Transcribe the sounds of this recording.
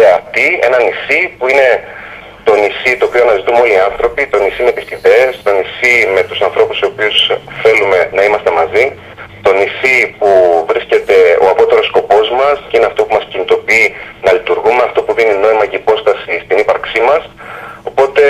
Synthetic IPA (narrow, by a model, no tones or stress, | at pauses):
eɐft̪ie̞̰nɐnisipuine̞ | t̪o̞nisit̪o̞ːpio̞ɐnɐzit̪umo̞liɐnθɾo̞pit̪o̞nisimet̪isiðe̞ːst̪o̞nisime̞t̪usɐnθɾo̞pusoopiusθe̞lume̞nɐimɐst̪emɐzi | t̪o̞nisipuvɾisce̞t̪e̞o̞ɐpo̞t̪e̞ɾo̞sko̞po̞zmɐsceine̞ɐft̪o̞pumɐscinit̪o̞piinɐlit̪uɾɣume̞ɐft̪o̞puðinino̞imɐceipo̞st̪ɐsist̪inipɐɾksimɐso̞po̞t̪e̞